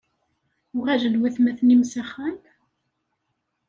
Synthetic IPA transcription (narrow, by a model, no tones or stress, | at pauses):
ʊʁæʒəlwæθmæθnimsæχæmt̪